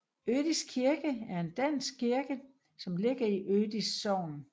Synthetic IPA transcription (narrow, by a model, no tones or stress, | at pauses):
ød̥iskʰiɐɡ̥əæɐe̝nd̥æn̰sɡ̥̚kiɐɡ̥ə | sɒ̽mle̝ɡ̥ɐiʔød̥isːɒʊ̰n